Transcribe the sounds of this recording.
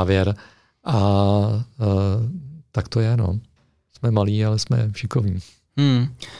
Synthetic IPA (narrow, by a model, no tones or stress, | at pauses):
vjɛɾ | ʔa | t̪akt̪ojɛno̰ | smɛmaliːalɛsmɛ̰fʃɪkovɲiː | m̩